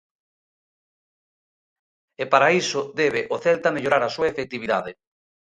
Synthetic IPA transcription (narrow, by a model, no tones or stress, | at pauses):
epaɾaisʊðɛβeʔoθɛlt̪ameʎoɾaɾɐsuɐefek̚t̪iβiða̰ðɪ